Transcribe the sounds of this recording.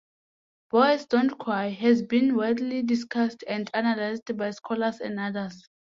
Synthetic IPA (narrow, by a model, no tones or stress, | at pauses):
b̥ɔjsdɔ̃ntkʰwajɦɛzbĩnwɛdlidiskʰastʰɛ̃ndanalajzdbajskʰɔlasɛ̰̃ndadaz